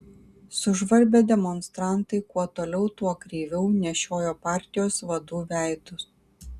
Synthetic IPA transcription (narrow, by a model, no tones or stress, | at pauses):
sʊʒʋɐɾʲbʲed̪ʲɛmɔnst̪ɾɑˑnt̪ɐɪkuɔt̪oːlʲɛʊt̪uɔkɾʲiːʋʲɛʊnʲɛʃʲoːjoːpɑˑɾʲt̪ʲɪjoːsʋɐd̪uːʋʲæˑɪt̪ʊs